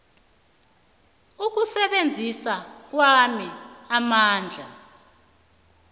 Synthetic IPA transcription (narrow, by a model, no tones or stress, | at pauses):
uk̬usɛɓend͡zʱisak̬wamiamaːnd͡ɮʱa